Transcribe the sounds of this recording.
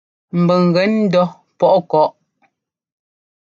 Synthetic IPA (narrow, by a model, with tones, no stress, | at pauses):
m̩˨bə˨ŋ̩˨ɣɛ˨˦n̩˦dɔ˦ | pɔ˦ʔkɔ˦ʔ